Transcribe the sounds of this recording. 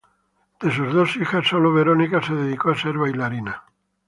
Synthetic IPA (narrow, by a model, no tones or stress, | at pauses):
d̪̥e̞s̬uzðo̞sixasːoloβe̞ɾo̞nikase̞ðe̞ðikoase̞ɾβajlaɾina